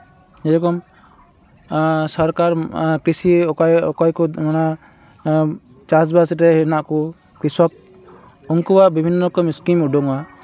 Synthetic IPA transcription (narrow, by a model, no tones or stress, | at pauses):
d͡ʒɛɾɔkɔm | sɔɾkaɾkɾisiɔjɔkɔjkɔmana | t͡ʃas̬basʈɛɦɛnaʔku | kɾisɔk̚ | ɔŋkubaʔbibʱinːɔkɔmiskimuɖɔŋa